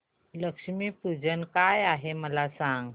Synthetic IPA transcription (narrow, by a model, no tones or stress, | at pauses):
ləkʂmiːpud͡zənkajaɦeməlasãŋɡ